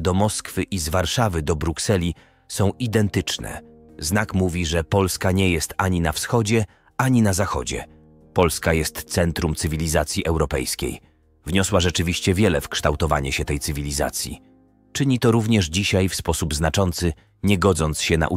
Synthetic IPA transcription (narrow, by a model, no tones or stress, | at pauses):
d̪ɔmɔskfɘʔizvaɾʂavɘd̪ɔbɾuksɛlʲi | sɔ̃w̃ʔid̪ɛnt̪ɘt͡ʂnɛ̰ | znakmuvʲiʐɛpɔlskaɲɛjɛst̪aɲinafsxɔd͡ʑɛ | aɲinazaxɔ̰d͡ʑɛ̰ | pɔlskajɛst̪t̪sɛnt̪ɾumt̪sɘvʲilʲizat̪sʲjiʔɛwɾɔpɛ̰jskʲḛj | vɲɔswaʐɛt͡ʂɘvʲiɕt͡ɕɛvʲjɛlɛfkʂt̪awt̪ɔva̰ɲɛɕɛt̪ɛjt̪ɘvʲilʲiza̰t̪sʲjḭ | t͡ʂɘɲit̪ɔɾuvɲɛʐd͡ʑiɕajfspɔsubznat͡ʂɔnt̪sɘ | ɲɛɡɔd̪zɔnt̪sɕɛna̰ʔu